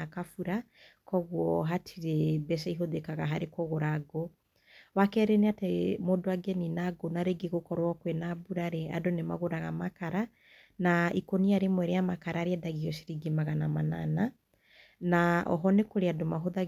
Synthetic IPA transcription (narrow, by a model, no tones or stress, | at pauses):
akafuɾa | kɔɣwɔɦatʰiɾebɛʃaiɦoðekaɣaɦaɾekɔɣoɾaɡo | wakɛɾeneatemodoaɡɛninaɡonaɾeɡeɣokɔɾwɔkwenabuɾaɾea̰donema̰ɣoɾaɣamakaɾa | naikoniaɾemwɛɾejamakaɾaːɾeɛdaɣiɔʃiɾiɡemaɣanamana̰na | naɔ̰ɦɔnekoɾeadomaɦoða